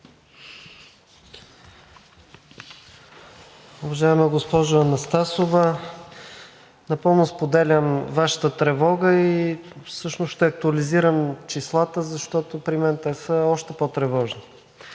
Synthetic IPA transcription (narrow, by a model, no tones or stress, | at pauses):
ʊvɐʒaɛmɛɡospɔʒʊɐnɐst̪asovə | nɐpɤlˠnospod̪ɛlʲəmvaʃə̥t̪ət̪ɾɛvɔɡəifsɤʃnosʃt̪ɛɐk̚t̪uɐliziɾəmt͡ʃislˠat̪əzɐʃt̪ɔt̪opɾimɛnt̪ɛsəɔʃt̪ɛpɔt̪ɾɛvɔʒni